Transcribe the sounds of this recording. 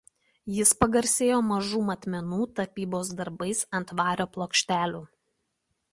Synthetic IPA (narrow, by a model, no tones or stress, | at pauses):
jɪspɐɡɐɾʲsʲeːjoːmɐʒuːmɐt̪ʲmʲɛnuːt̪ɐpʲiːboːsd̪ɐɾbɐɪsɐnt̪ʋɑːɾʲoːplˠoːkʃʲt̪ʲæːlʲuː